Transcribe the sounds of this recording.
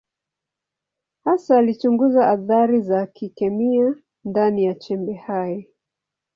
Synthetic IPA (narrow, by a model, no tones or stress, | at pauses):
hasaːlit͡ʃuŋɡuzaʔaθaɾizakikɛmia | ndanijat͡ʃɛmbɛhajɛ